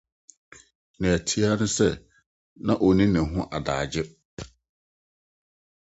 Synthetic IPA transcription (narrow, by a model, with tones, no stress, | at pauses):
nɪ̃˨æ˨tʰi˦a˦nʊ̃˦sɛ˦ | nã˦ʔo˨nĩ˦nɪ̃˨ɦʊ̃˦ʔa˨daː˨d͡ʑɪ˦